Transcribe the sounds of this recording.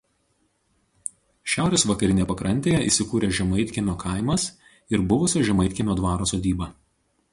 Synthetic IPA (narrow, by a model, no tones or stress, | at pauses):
ʃʲæˑʊɾʲeːsʋɐkɐɾʲɪnʲepɐkɾɐnʲt̪ʲeːjɛʔḭˑːsʲɪkuːɾʲeːʒʲɛmɐɪt̪ʲkʲɪnʲoːkʰɐɪmɐs | ɪɾbʊʋʊsʲoʒʲɛmɐɪt̪ʲkʲɪnʲoːd̪ʋɑːɾoːsoːd̪ʲiːbɐ